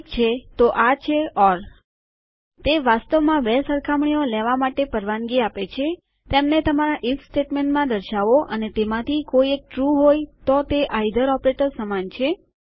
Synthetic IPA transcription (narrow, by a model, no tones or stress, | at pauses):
kt͡ʃʰet̪oʔat͡ʃʰeɔɾ | t̪eʋast̪əʋmãʋesəɾkʰamɳijolɛʋamaʈepəɾʋanɡiapet͡ʃʰe | t̪emnet̪əmaɾaʔifsʈeʈmẽɳʈmãd̪əɾʃaʋoʔənet̪emãt̪ʰikoiek̚ʈɾuɦojt̪ot̪eʔajd̪əɾɔpɾeʈəɾsəmant͡ʃʰe